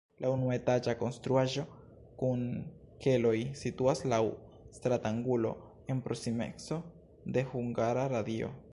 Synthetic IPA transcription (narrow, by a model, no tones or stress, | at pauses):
lʔaunuet̪ad͡ʒakonst̪ɾuaʒo̞ | kun | kelo̞jsit̪uaslawst̪ɾat̪aŋɡulo̞̰ | enpɾosimḛkso̞ | d̪e̞huŋɡaɾaɾad̪io̰